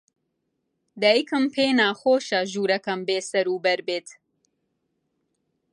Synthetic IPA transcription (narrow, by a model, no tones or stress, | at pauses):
d̪ɛikʰɨmpʰeːnaːxoːʃɐʒuːɾɐkɐmbeːsɐɾuːbɛɾbeːt̪